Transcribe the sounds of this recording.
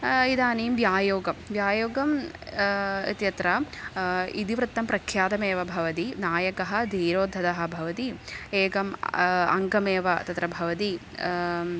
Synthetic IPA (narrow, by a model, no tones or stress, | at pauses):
id̪aːnijmʋjaːjoːɡɐmʋjaːjoːɡɐm | t̪jɐt̪ɾɐ | id̪iʋɾɨt̪ːɐmpɾɐkʰːjaːt̪ɐmeːʋɐbʱɐʋɐt̪inaːjɐkɐɦɐ̆d̪ʱiːɾoːd̪ʱɐd̪ɐɦɐ̆bʱɐʋɐt̪ieːɡɐmɐ̰ŋɡɐmeːʋɐt̪ɐt̪ɾɐbʱɐʋɐt̪i